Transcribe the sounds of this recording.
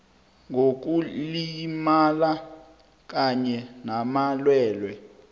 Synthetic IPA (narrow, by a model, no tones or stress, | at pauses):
ŋok̬ulimala | k̬aɲɛnamalwɛːlwɛ